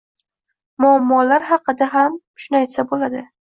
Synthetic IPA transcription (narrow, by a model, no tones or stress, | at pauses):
mʊamːɒlaɾɦɑqɨd̪aɦam | ʃʊnajt̪sabolad̪ɪ